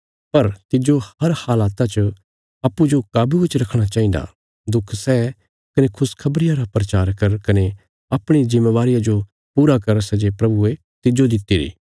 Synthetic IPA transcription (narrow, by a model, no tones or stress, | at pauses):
pɐɾt̪ɪd͡ʒohɐɾhaːlaːt̪at͡ʃə | aːpːud͡ʒokaːbʱibɪt͡ʃɾɐkʰɽ̃at͡ʃaːĩd̪a̰ | d̪ʊkʰsɛː | kɐnekʰʊskʰɐbɾɪjaɾapɾɐt͡ʃaːɾkɐɾkɐne | aːpɽ̃izɪmːeʋaːɾɪjad͡ʒo | puːɾakɐɾsɛd͡ʒepɾɐbue | t̪ɪd͡ʒod̪ɪt̪ːiːɾḭː